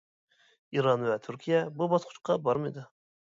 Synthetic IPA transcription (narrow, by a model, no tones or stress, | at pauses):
iɾɑnvɛt̪ʰyɾkʲʰijɛbubɑsqʰʊ̥t͡ʃqʰɑbɑɾmɨjd̪ɨ